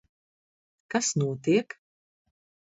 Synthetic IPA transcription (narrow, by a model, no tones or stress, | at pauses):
kasnuɔt̪iɛk